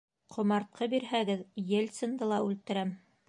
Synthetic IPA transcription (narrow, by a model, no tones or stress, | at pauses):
qʰŏmɑɾt̪̚qʰɤbiɾɦæɡɘðjelʲt̪sɤ̆nd̪ɤlˠɑʉlt̪ɘ̆ɾæm